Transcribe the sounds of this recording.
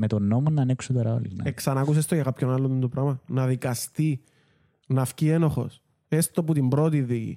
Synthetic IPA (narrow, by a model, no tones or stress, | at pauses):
met̪onːomonɐːneksut̪oɾɐo̰lḭɣnɐ̰eksɐnɐkus̬est̪oʝɐkɐpçonɐlːond̪ond̪opɾɐɣmɐnɐðikɐst̪i | nɐfcie̞noxo̞̰s | e̞st̪o̞put̪imbɾo̞t̪iðicḭ